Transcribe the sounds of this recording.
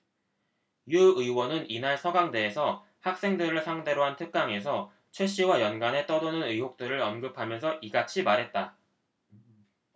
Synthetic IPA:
juɯiwʌnɯninaɭsʰʌɡaŋde̞ːsʰʌ | hak̚s͈e̞ŋdɯɾɯɭsʰaŋde̞ɾoɦantʰɯk̚k͈aŋe̞sʰʌ | t͡ɕʰwe̞ɕ͈iwajʌnɡane̞t͈ʌdɯnɯnɯjɦok̚t͈ɯɾɯɾʌnɡɯpʰamjʌnsʰʌʔiɡat͡ɕʰimaɾɦe̞t̚t͈a

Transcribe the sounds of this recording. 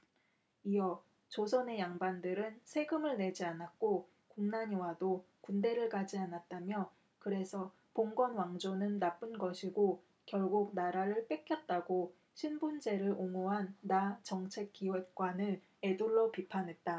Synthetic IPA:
iʌ | t͡ɕosʰʌne̞jaŋbandɯɾɯnsʰe̞ɡɯmɯɭne̞d͡ʑianak̚k͈o | kuŋnaɲiwado | kunde̞ɾɯɭkad͡ʑianat̚t͈amjʌ | kɯɾe̞sʰʌ | poŋɡwʌnwaŋd͡ʑonɯnːap͈ɯnɡʌɕʰiɡo | kjʌɭɡuk̚naɾaɾɯɭp͈ek͈jʌt̚t͈aɡo | ɕʰinbund͡ʑe̞ɾɯɭʔoŋoɦanːat͡ɕʌŋt͡ɕʰe̞k͈ːiwek̚k͈wanɯn | e̞duɭːopipʰanɦe̞t̚t͈a

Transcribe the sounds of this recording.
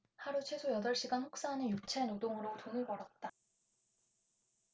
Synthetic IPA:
haɾut͡ɕʰwe̞sʰojʌdʌɭɕ͈iɡanɸok̚s͈aɦːnɯjut͡ɕʰenodoŋɯɾotonɯɭbʌɾʌt̚t͈a

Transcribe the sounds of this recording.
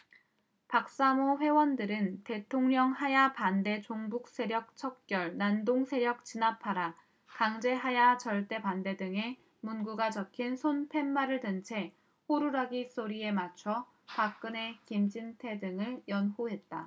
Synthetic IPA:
pak̚s͈amoɸwe̞wʌndɯɾɯnte̞tʰoŋɲʌŋhajapande̞t͡ɕoŋbuk̚s͈e̞ɾjʌk̚t͡ɕʰʌk̚k͈jʌɭnandoŋsʰe̞ɾjʌk̚t͡ɕinapʰaɾa | kaŋd͡ʑe̞ɦajat͡ɕʌɭt͈e̞pande̞dɯŋe̞ | munɡuɡat͡ɕʌkʰinsʰonpʰe̞mːaɾɯɭdɯnt͡ɕʰe̞ | hoɾuɾaɡis͈oɾie̞mat͡ɕʰʌ | pak̚k͈ɯne̞kimd͡ʑintʰe̞dɯŋɯɭjʌnhuɦe̞t̚t͈a

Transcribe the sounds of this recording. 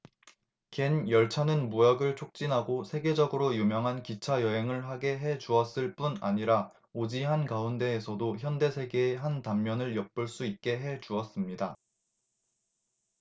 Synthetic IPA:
kenjʌɭt͡ɕʰanɯnmuaɡɯɭt͡ɕʰok̚t͡ɕ͈inɦaɡosʰe̞ɡe̞d͡ʑʌɡɯɾojumjʌŋɦankit͡ɕʰajʌɦe̞ŋɯɭɦaɡe̞ɦe̞d͡ʑuʌs͈ɯɭp͈una̰ɲiɾa | od͡ʑiɦankaunde̞ːsʰʌdoçjʌnde̞sʰe̞ɡe̞ːɦantamːjʌnɯɭjʌk̚p͈uɭs͈uit̚k͈e̞ɦe̞t͡ɕuʌs͈ɯmɲida

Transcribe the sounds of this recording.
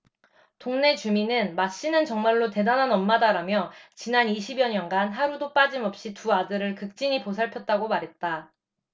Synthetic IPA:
toŋne̞t͡ɕuminɯnmaɕ͈inɯnt͡ɕʌŋmaɭːote̞danɦanʌmːadaɾamjʌt͡ɕinaniɕʰibjʌɲʌnɡanɦaɾudop͈ad͡ʑimʌp̚ɕ͈ituadɯɾɯɭkɯk̚t͡ɕ͈iɲiposʰaɭpʰjʌt̚t͈aɡomaɾɦe̞t̚t͈a

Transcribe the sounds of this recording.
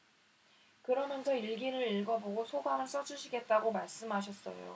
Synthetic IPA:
kɯɾʌmjʌnsʰʌiɭɡiɾɯɾiɭɡʌboɡosʰoɡamɯɭns͈ʌd͡ʑuɕʰiɡe̞t̚t͈aɡomaɭs͈ɯmɦaɕʰʌs͈ʌ̰jo̰

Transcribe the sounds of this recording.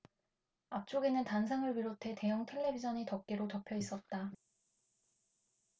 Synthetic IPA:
ap̚t͡ɕ͈oɡenɯntans̬ʰaŋɯɭpiɾotʰe̞te̞jʌŋtʰe̞ɭːe̞bid͡ʑʰʌɲitʌk̚k͈eɾotʌpʰjʌis͈ʌt̚t͈a

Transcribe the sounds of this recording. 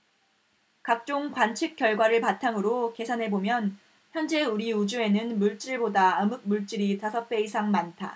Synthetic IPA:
kak̚t͡ɕ͈oŋkwant͡ɕʰɯk͈̚jʌɭɡwaɾɯɭpatʰaŋɯɾoke̞sʰanɦe̞bomjʌn | çjʌnd͡ʑe̞uɾiud͡ʑue̞nɯnmuɭt͡ɕ͈iɭbodaɯmɯk̚muɭt͡ɕ͈iɾitasʰʌp͈e̞isʰaŋmantʰa̰

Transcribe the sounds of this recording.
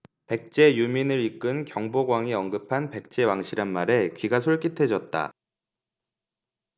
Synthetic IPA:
pe̞k̚t͡ɕ͈e̞juminɯɾik͈ɯnkjʌŋboɡwaŋiʌŋɡɯpʰanpe̞k̚t͡ɕ͈e̞waŋɕʰiɾanmaɾe̞kɥiɡasʰoɭk͈itʰe̞d͡ʑʌt̚t͈a̰

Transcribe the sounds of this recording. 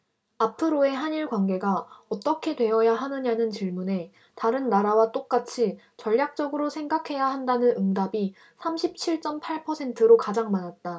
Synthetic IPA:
apʰɯɾoe̞ɦaniɭkwanɡe̞ɡaʌt͈ʌkʰe̞dwe̞ʌjaɦanɯɲanɯnt͡ɕiɭmune̞ | taɾɯnːaɾawat͈ok̚k͈at͡ɕʰi | t͡ɕʌʎːjak̚t͡ɕ͈ʌɡɯɾosʰe̞ŋɡakʰe̞jaɦandanɯnɯŋdabi | sʰamɕʰip̚t͡ɕʰiɭt͡ɕ͈ʌmpʰaɭpʰʌsʰe̞ntʰɯɾokad͡ʑaŋmanat̚t͈a

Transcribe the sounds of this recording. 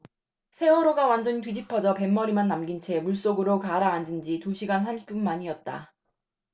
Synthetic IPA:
sʰe̞wʌɾoɡawand͡ʑʌntɥid͡ʑipʰʌd͡ʑʌpe̞mːʌɾimanːamɡint͡ɕʰe̞muɭs͈oɡɯɾokaɾaːndɯnd͡ʑituɕʰiɡans̬ʰamɕʰi̥p͈unːaɲiʌt̚t͈a̰

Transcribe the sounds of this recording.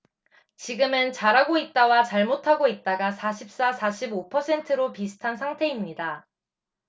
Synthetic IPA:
t͡ɕiɡɯmɯnt͡ɕaɾɦaɡoit̚t͈awat͡ɕaɭmotʰaɡoit̚t͈aɡasʰaɕʰip̚s͈asʰaɕʰibopʰʌsʰe̞ntʰɯɾopisʰɯ̥tʰansʰaŋtʰe̞imɲida

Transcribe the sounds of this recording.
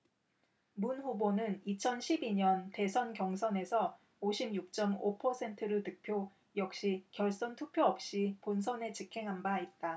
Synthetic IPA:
munɸubonɯnit͡ɕʰʌnɕʰibiɲʌnte̞sʰʌnkjʌŋsʰʌne̞sʰʌ | oɕʰimjuk̚t͡ɕ͈ʌmopʰʌsʰe̞ntʰɯɾɯɭtɯk̚pʰjo | jʌk̚ɕ͈ikjʌɭs͈ʌntʰuk̚pʰjoʌp̚ɕ͈ipons̬ʰʌne̞t͡ɕikʰe̞ŋɦanbait̚t͈a

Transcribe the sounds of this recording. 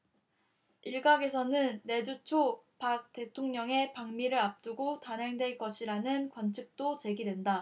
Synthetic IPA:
iɭɡaɡe̞sʰʌnɯnːe̞d͡ʑut͡ɕʰopak̚t͈e̞tʰoŋɲʌŋe̞paŋmiɾɯɾap̚t͈uɡotanɦe̞ŋdwe̞ɭk͈ʌɕʰiɾanɯnkwʌnt͡ɕʰik̚t͈ot͡ɕe̞ɡidwe̞nda

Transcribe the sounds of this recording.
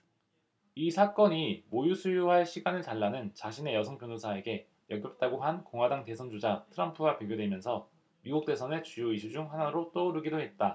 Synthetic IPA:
isʰak͈ʌɲimojusʰujuɦaɭɕʰiɡanɯɭtaɭːanɯnt͡ɕaɕʰine̞jʌsʰʌŋpjonusʰae̞ɡe̞ | jʌɡjʌp̚t͈aɡoɦankoŋwadaŋte̞sʰʌnd͡ʑod͡ʑatʰɯɾʌmpʰɯɡapjoɡjodwe̞mjʌnsʰʌ | miɡuk̚t͈e̞sʰʌnet͡ɕujoiɕʰid͡ʑuŋɦanaɾot͈ouɾɯɡidoɦe̞t̚t͈a

